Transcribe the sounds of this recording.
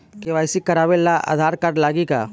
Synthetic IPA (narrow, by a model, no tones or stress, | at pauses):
keʋaːɪsikɐɾaːʋelaa̰ːd̪ʱaːɾkɐɾlaːɡika̰